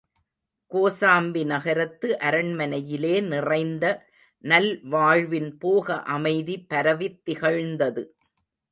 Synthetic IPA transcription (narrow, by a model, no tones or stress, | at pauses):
koːsaːmbinɐɣɐɾɐt̪ːɯʔɐɾɐɳmɐnɐjɪleːnɪrɐɪnd̪ɐ | nɐlʋaːɻʋɪnpoːɣɐʔɐmɐɪðipɐɾɐʋɪt̪ːɪɣɐɻnd̪ɐðɯ